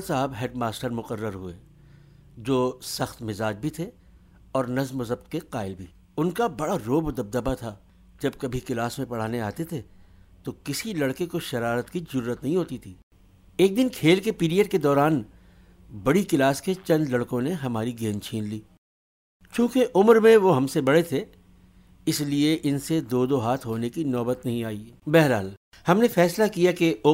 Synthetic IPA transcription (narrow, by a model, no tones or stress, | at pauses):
saːbɦɛːʈmaːsʈəɾmʊqəɾːəɾɦʊeː | d͡ʒoːsɐxt̪mɪzaːd͡ʒbʱit̪ʰe | ɔːɾnɐzmʊzəb̚t̪keqaːɪlbʱiː | ʊnkabɐɽaɾoːbod̪ɐb̚d̪əbat̪ʰa | d͡ʒɐb̚kɐbʱikɪlaːsmẽpɐɽ̤aːneaːt̪et̪ʰet̪okɪsilɐɽkekoʃɐɾaːɾət̪kizʊɾuːɾət̪nɐɦĩɦoːt̪it̪ʰiː | eːk̚d̪ɪnkʰeːlkepiːɾijəɖked̪ɔːɾaːn | bɐɽikɪlaːsket͡ʃɐ̃nd̪lɐɽkõneɦɐmaːɾiɡeːnt͡ʃʰiːnliː | t͡ʃũːkeʔʊmɾmẽʋoɦɐmsebɐɽet̪ʰe | ɪslieʔɪnsed̪oːd̪oɦaːt̪ʰɦoːnekinɔːbət̪nɐɦĩaːiː | bɛːɦɾɦaːl | hɐmnefɛːslakijakeo